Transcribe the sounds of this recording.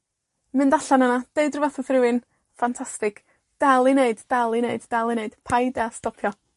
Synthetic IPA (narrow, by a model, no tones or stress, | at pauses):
mɨndaɬanənad̥eɨdrɪvɛθɔθrɪwɨn | fantʰastɪk | d̥alˠineɨddalˠineɨddalˠineɨd̥pʰajdɛstɔpʰjɔ